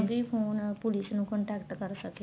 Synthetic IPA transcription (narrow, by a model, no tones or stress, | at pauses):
ɡipʰonpulisnukɔɳʈakʈɡʌɾsʌke